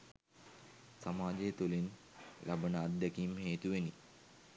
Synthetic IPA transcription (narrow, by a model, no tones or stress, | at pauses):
samaːd͡ʒejːt̪ulin | lʔabənəːd̪jakiːmheːt̪uʋeni